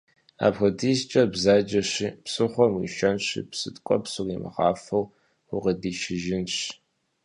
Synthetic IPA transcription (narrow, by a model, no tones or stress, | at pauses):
a̰ːpxɐdiːst͡ʃʼɐbzaːd͡ʒɐɕiːpsɨχʷɔmwḭʃɐnɕḭpsɨtkʷʼɔpsɨriːmɨ̰ʁɑːfɐw | ʊʁɐdiːʃɪʒɪnɕ